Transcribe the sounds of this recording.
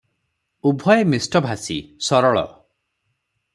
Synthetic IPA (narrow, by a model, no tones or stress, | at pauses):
ubʱɔjemisʈɔbʱasḭsɔɾɔɭɔ̰